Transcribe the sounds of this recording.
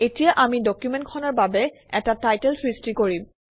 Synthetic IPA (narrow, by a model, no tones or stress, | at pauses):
etijaʔamidɔkjumɛntkʰɔnɔɹbabɛ | ɛtatajtɛlfʰɹistɹikoɹim